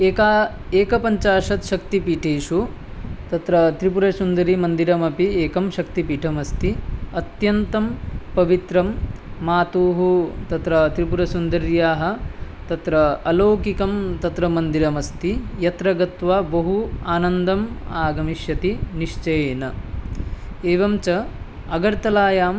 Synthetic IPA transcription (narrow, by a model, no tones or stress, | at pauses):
eːkaeːkɐpɐɲt͡ʃaːʃɐt̪ʃɐk̚t̪ipiːʈʰeːʃu | t̪ɐt̪ɾɐt̪ɾipuɾɐsund̪ɐɾimɐnd̪iɾɐmɐpieːkɐmʃɐkt̪ipiːʈʰɐmɐst̪iɐt̪jɐnt̪ɐmpɐʋit̪ɾɐmːaːt̪uːɦut̪ɐt̪ɾɐt̪ɾipuɾɐsund̪ɐɾjaːɦɐ̆ | t̪ɐt̪ɾɐːloːkikɐmt̪ɐt̪ɾɐmɐnd̪iɾɐmɐst̪ijɐt̪ɾɐɡɐt̪ʋaːbɐɦuaːnɐnd̪ɐmaːɡɐmiʃjɐt̪iniʃt͡ʃɐjeːnɐ | eːʋɐmt͡ʃɐ | ɐɡɐɾt̪ɐlaːjaːm